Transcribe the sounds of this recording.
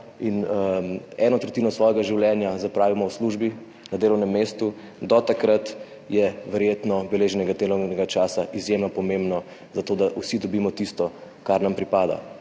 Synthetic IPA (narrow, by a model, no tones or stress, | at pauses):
in | ɛːnɔt̪ɾɛt̪iːnɔsʋɔːjɛɡaʒiwljɛːnjazapɾaːʋimɔwsluʒbi | nad̪eːlɔwnɛmːeːst̪u | d̪ɔt̪akɾat̪ | jɛʋɛɾjeːt̪nɔbɛleːʒɛnɛɡad̪elɔwnɛɡat͡ʃaːsaʔizjemnɔpɔmembnɔ | zat̪oːd̪aʔusid̪ɔbiːmɔt̪ist̪ɔ | kaɾnampɾipaːd̪a̰